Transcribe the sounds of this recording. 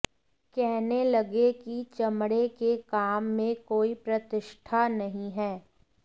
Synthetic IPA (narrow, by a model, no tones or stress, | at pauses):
kɛɦnelɐɡekit͡ʃɐmɽekekaːmːẽkoːipɾɐt̪ɪʃʈʰanɐɦĩɦɛː